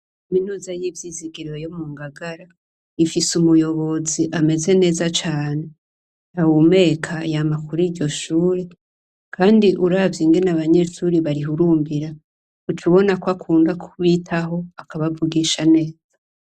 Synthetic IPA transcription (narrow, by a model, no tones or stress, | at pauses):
kaminuːzajiːvjiːziɡiɾejomuːŋɡaɡaɾa | ifisumujo̞βo̞ziʔame̞ze̞ne̞ːzat͡ʃaːne̞ | awume̞ːkʰajamakuɾiːɾɟo̞ʃuːɾe | kʰaːndiʔuɾavjiŋɡe̞naβaɲe̞ʃuɾiβaɾiɦuɾuːmbiɾa | ut͡ʃuβo̞nakwakʰuːndakʰuβitʰaɦo̞akaβavuɡiːʃane̞ːz̥ḁ